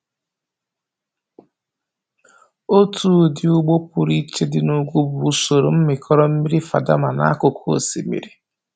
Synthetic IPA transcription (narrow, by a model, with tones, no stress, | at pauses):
o˦tu˦˨dɪ˨u˦ɡ͡bo˦pu˨ɾi˦t͡ʃe˦dɪ˨nu˦ɡʷu˦bu˨u˦so˨ɾo˨m̩˦mɪ˨kʰɔ˦ɾɔ˦m̩˦mi˦ɾi˦fa̰˨da˦ma˨na̰˦a˦kʊ˨kʰo̰˨sḭ˨mḭ˨ɾi˨